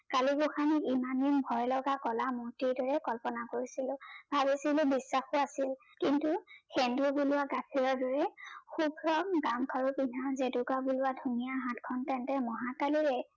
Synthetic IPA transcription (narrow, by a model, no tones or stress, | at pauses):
kaliɡuxanikimaninbʱɔjlɔɡakɔlamotiɹdɔɹɛkɔlpɔnakoɹisilʊb̥ʱabisilʊbisːaxʊasil | kintuxɛndubulʊaɡapʰiɹɔɹdɔɹɛxubʱɹɔŋɡamkʰaɹupinʱazeduɡabulʊwadʱunijaɦãtkʰɔntɛntɛmɔɦakaliɹɛ